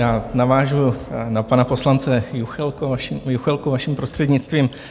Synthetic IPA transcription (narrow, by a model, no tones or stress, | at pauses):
jaːnavaːʒunapanapo̞slant͡sɛjuxɛlkoaʃijuxɛlkuvaʃimpɾost̪r̥ɛdɲɪt͡st̪viːm